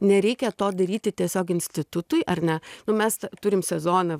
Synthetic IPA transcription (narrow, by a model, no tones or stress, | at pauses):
nʲɛɾʲɛɪkʲɛt̪oːd̪ɐɾʲiːt̪ʲɪt̪ʲiɛsʲoːkɪnʲsʲt̪ʲɪt̪ʊt̪ʊjʔɐrnʲɛnʊmʲɛst̪t̪ʊɾʲɪmsʲɛzoːnɐ